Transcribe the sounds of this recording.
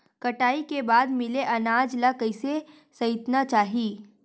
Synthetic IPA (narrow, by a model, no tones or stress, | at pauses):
kɐʈaːikebaːd̪mɪleʔɐnaːd͡ʒlakɐɪse | sɐɪt̪nat͡ʃaːɦiː